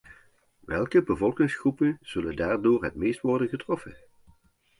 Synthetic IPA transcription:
ʋɛlˠkəbəvɔlˠkɪŋsχrupənz̥ɵləndaːrdʊːɹɦətmejstʋɔrdənɣətrɔfən

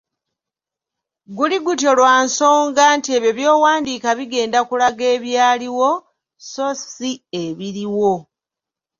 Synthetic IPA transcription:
ɡuliɡutjo̞lwaːnso̞ːŋɡanteβeβjo̞ːwaːndiːkaβiɡe̞ːndakulaɡe̞ːβjaːliwo̞ | so̞sie̞βiɾiwo̞

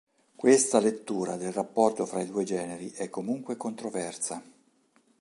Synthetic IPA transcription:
kwest̪alet̪ːuːɾad̪elrapːɔrt̪ofɾaid̪uːed͡ʒɛːneɾiʔɛkːomuŋkwekont̪ɾovɛrsa

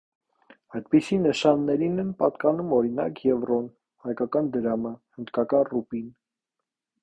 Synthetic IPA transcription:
ɑjd̪pisinəʃɑnːɛɾinɛnpɑt̪kɑnumɔɾinɑ̰kjɛvrɔn | hɑjkɑkɑnd̪əɾɑməhənd̪kɑkɑnrupin

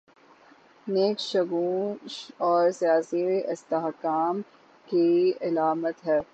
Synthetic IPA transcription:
neːkʃɐɡũʃɔːɾsijaːsiɪst̪eɦkaːm | kiɪlaːmət̪ɦɛː

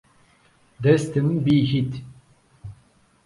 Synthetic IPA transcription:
d̪ɛst̪ɨnbiːɦit̪

